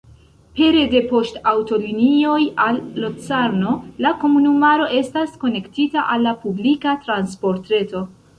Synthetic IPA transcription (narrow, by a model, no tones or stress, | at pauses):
pe̞ɾe̞de̞po̞stawto̞linio̞jalːot͡saɾno̞lako̞munumaɾo̞ʔe̞stasko̞ne̞ktitaʔalːapublikatɾanspo̞ɾtɾe̞to̞